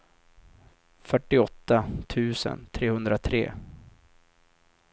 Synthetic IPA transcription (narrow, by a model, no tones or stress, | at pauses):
fœʈːɪɔt̪ːat̪ʰʉ̟ːsə̰nt̪ʰɾeːhɵnd̪ɾat̪ʰɾḛː